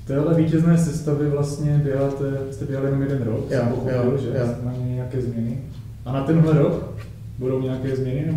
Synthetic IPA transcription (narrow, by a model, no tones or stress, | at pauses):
ft̪ɛːɦlɛviːcɛznɛːsɛst̪avɛvlast̪ɲɛbjɛɦaːt̪ɛvɪst̪ɛbjɛɦalɪjɛnomjɛdɛnɾokmpoxobɪlʒɛsmajmɲɛjakɛːzmɲɛnɪ | ʔanat̪ɛnɦlɛɾok | budo̞wɲɛakɛːzmɲɛnɪnɛ